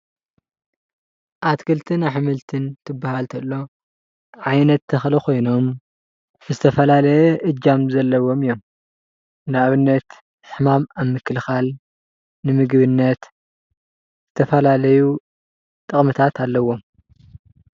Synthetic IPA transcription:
ʔat̪kʰɨlt̪ʰɨnaħɨmɨlt̪ʰɨnt̪ʰɨbːahalt̪ʰɐlːo̞ | ʕajnɐt̪ʰːɐxlɐkʰo̞jno̞m | zɨt̪ʰɐfɐlalɐjɛʔɨd͡ʒamzɐlːɐwo̞mɨjːo̞m | nɨaβɨnːɐt̪ | ħħɨmamaβmɨkʰːɨlxal | nɨmɨɡβɨnːɐt̪ | zɨt̪ʰɐfɐlalɐju | t̪ʼɨχʼmɨt̪ʰat̪ʰalːɐwːo̞m

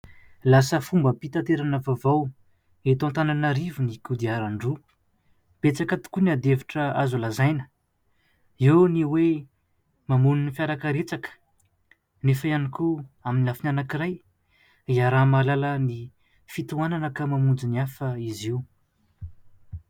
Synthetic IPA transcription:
lasəfumbəpit̪at̪eɾanəvavaw | et̪oãnt̪ananaɾivinikud̪iaɾaɳɖ͡ʐu | b̥et͡sakat̪u̥kuniad̪eviʈ͡ʂəazulazajnə̥ | ewniwe | mamuninifjaɾakəɾet͡sakə̥ | nefajanikuaminiafinanakiɾaj | iaɾamalaləni | fit̪uananəkamamund͡ziniafəiziu

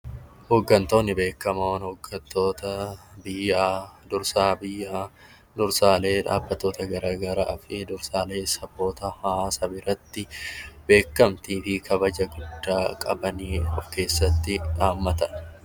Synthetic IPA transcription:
hoːɡːɐnt̪o̞ːnːɪbe̞ːkːɐmɐwnhoːɡːɐt̪ːo̞ːt̪ɐbɪjːaːd̪ʊɾsaːbɪjːaː | d̪ʊɾsaːle̞ːᶑa̰ːbːɐt̪ːo̞ːt̪ɐɡɐɾaːɡɐɾaːfɪd̪ʊɾsaːle̞ːsɐbːo̞ːt̪ɐhaːsɐbɪɾɐt̪ːɪbe̞ːkːɐmt̪iːfɪkʰɐbɐd͡ʒɐɡʊd̪ːaːkʼɐ̰bɐniːɔfke̞ːsːɐt̪ːɪᶑaːmːɐt̪ɐn

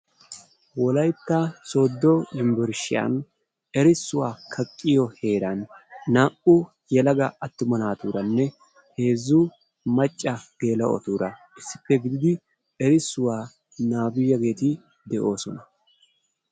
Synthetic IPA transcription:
wɔlɐjt̪ːɐsoːd̪ːɔɪmbɪɾʃɪjɐ̰n | ɛɾɪsːʊwaːkʰɐkʼːɪjɔhe̞ːɾɐnːaːʔʊ | jɛlɐɡɐɐt̪ːʊmɐnaːt̪uːɾɐnːɛ | he̞ːzːu | mɐt͡ʃʼːɐɡ̥e̞ːlɐʔɔ̰t̪uːɾɐ | ɪsːɪpːɛɡɪd̪ɪd̪ɪ | ɛɾɪsːʊwaː | naːbɪjːɐɡe̞ːt̪ɪ | d̪ɛʔo̞ːsɔnɐ

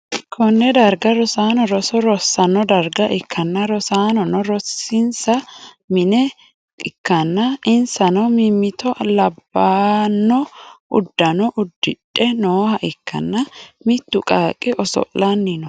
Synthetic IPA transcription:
kʰɔnːɛd̪ɐɾɡɐɾɔsaːnɔɾɔsɔɾɔsːɐnːɔd̪ɐɾɡɐʔɪkʰːɐnːɐɾɔsaːnɔnɔɾɔsɪnsɐ | mɪnɛ | ɪkːɐnːɐɪnsɐnɔmɪmːɪt̪ɔlɐbːaːnːɔʔʊ̰d̪ːɐnɔʔʊd̪ːɪᶑʼːɛnoːhɐʔɪkʰːɐ̰nːɐmɪt̪ːʊkʼaːkʼːɪʔɔsɔ̰ʔlɐnːɪnɔ

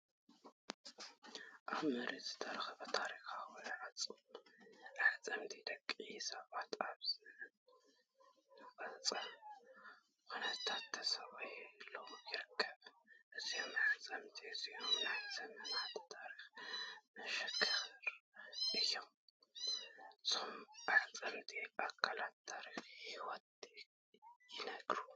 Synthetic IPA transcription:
ʔaβmɨɾit̪z̥ɨt̪ʰɐɾɐxɐβɐt̪ʰaɾixawonɐʕat͡sʼɨm | ʕat͡sʼɐmt̪ʰid̪ɐkʼːisɐβat̪aβzɨ | nɨfʼɐt͡sʼɐ | kʰonɐt̪ʰat̪ʰːɐsɐβajlojɪɾɨkʰːɐβʔɨzːihmt͡sʼəmt̪ʰʼeɨzihmnasəmənat̪t̪ʰʼaɾixmɨʃɛkʰːəɾɾʔɨjɛm | somsʼəmt̪ʼeʔakʰːalat̪t̪ʰːaɾixjɛwɔt̪ʼe | jɪnəɡɾu

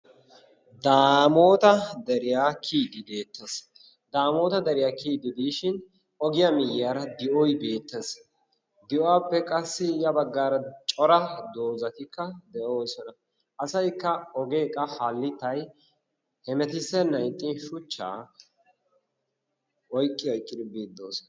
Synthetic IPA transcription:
d̪aːmo̞ːt̪ɐd̪ɛɾɪjaːkʰiːd̪ɪb̪e̞ːt̪ːɐs | d̪aːmo̞ːt̪ɐd̪ɐɾɪjaːkiːd̪ɪd̪iːʃɪn | ɔɡɪjɐmɪjːaːɾɐd̪ɪʔɔjbe̞ːt̪ːɛs | d̪ɪʔɔwaːpːɛkʼɐsːɪjɐbɐɡːaːɾɐt͡ʃʼɔɾɐd̪o̞ːzɐt̪ɪkːɐd̪ɛʔoːsɔnɐ | ʔɐsɐjkːɐɔɡeːkʼːɐhalːɪt̪ːɐj | hɛmɛt̪ɪsɛnɐjt̪ʼːɪnʃʊt͡ʃːa̰ː | wɔjkʼːɪɔjkʼːɪd̪ɪbeːd̪ːoːsɔn

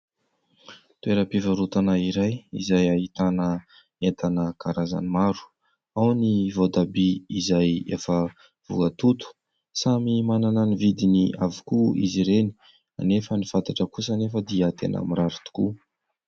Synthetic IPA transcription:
t̪ueɾəpivəɾut̪anaiɾajḭzajaɦit̪anə | ent̪anəkaɾaza̰nimaɾu̥ | awnivod̪abiizajefə | v̥ṵkat̪ut̪u̥ | samimanananivid̪iniavukuḭziɾeni̥ | a̰nefənifant̪aʈ͡ʂəkusanefəd̪iət̪enʔa̰miɾaɾut̪u̥ku

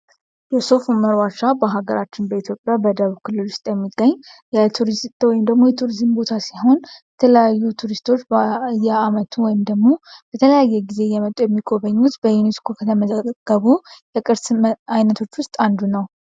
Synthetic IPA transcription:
jɛso̞fuməɾwaʃabəɦaɡəɾat͡ʃːɪnbəit̪ʰjo̞pʼːjabəd̪əβkʰɨlːɨlwʊst̪ʼjɛmːiɡːəɲːjɛt̪ʰuɾizwɔjɪmd̪əɡmo̞jɛt̪ʰuɾizɨmbo̞t̪ʰasiɦo̞njɛt̪ʰələjajːut̪ʰuɾist̪ʰo̞t͡ʃːbjːɛamət̪ʰuwɔjɪmd̪əɡmo̞b̥ət̪ʰələjajːɛɡize̞jɛmət̪ʼujɛmːiɡʼo̞βəɲːut̪bəjuniskʰokʰət̪ʰəməzəɡ̥əβujɛkʼɨɾsmajnət̪ʰo̞t͡ʃːwʊst̪ʼand̪unəw

